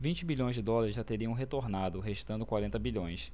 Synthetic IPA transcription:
vĩnt͡ʃɪbilʎõj̃zd͡ʒɪd̪ɔlɐɾɪzʒat̪eɾiɐ̃w̃ɦet̪oɾnad̪ʊɦeʃt̪ɐ̃nd̪ʊkwaɾẽnt̪ɐbiʎõj̃s

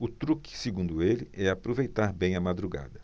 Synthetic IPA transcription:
ʊt̪ɾukɪ̥sɪɡũnd̪ʊelɪɛapɾovejt̪aɾbẽj̃ɐmad̪ɾuɡa̰d̪ɐ

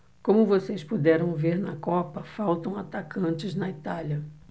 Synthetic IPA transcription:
kõmʊvosejspud̪ɛɾɐ̃w̃veɾnɐkɔpɐfawt̪ɐ̃w̃at̪akɐ̃t͡ʃɪznɐit̪alɐ

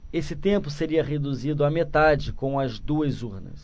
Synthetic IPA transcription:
esɪt̪ẽmpʊseɾiɐʁed̪uzid̪ʊamet̪ad͡ʒɪkõw̃ɐzd̪uɐzuɾnɐ̰s

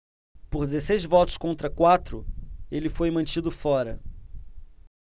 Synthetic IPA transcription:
pʊɾd͡ʒɪzesejzvɔt̪ʊ̥skõnt̪ɾɐkwat̪ɾʊelɪfojmɐ̃t͡ʃid̪ʊfɔɾɐ

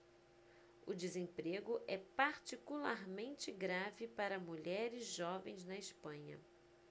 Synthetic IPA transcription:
ʊd͡ʒɪzẽpɾeɡʊʔɛpaɾt͡ʃikulaɾmẽnt͡ʃɪɡɾavɪpaɾɐmuʎɛɾɪzʒɔvẽj̃znɐispɐ̃ɲɐ̰

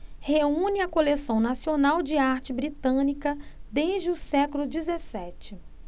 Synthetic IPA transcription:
heũnɪɐkolesɐ̃w̃nasionawd͡ʒɪaɾt͡ʃɪbɾit̪ɐ̃nikɐd̪eʒd͡ʒɪʊsɛkʊlʊd͡ʒizesɛt͡ʃɪ

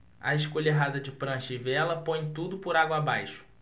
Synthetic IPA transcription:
ɐiʃkoʎeɦad̪ɐd͡ʒɪpɾɐ̃ʃivɛlɐpõj̃t̪ud̪ʊpʊɾaɡwɐabajʃʊ̥

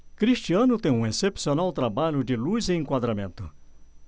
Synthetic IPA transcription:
kɾiʃt͡ʃiɐ̃nʊt̪ẽj̃ũesepsionawt̪ɾabaʎʊd͡ʒɪlujzeẽŋkwad̪ɾamẽnt̪ʊ

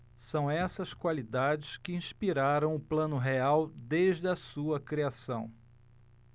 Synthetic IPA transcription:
sɐ̃w̃ɛsɐskwalid̪ad͡ʒɪskɪĩʃpiɾaɾɐ̃w̃ʊplɐ̃nʊɦeawd̪eʒd͡ʒɪɐsuɐkɾiasɐ̃w̃

